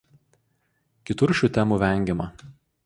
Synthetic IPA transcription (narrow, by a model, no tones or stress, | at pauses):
kʲɪt̪ʊɾʃʲuːt̪ʲɛmuːʋʲɛˑŋʲɡʲɛmɐ